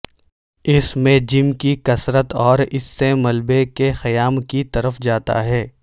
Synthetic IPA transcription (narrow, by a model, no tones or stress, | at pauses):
ɪsmẽd͡ʒɪmkikɐsɾət̪ɔːɾɪsːemɐlbekexɐjaːmkit̪ɐɾəfd͡ʒaːt̪a̰ɦɛː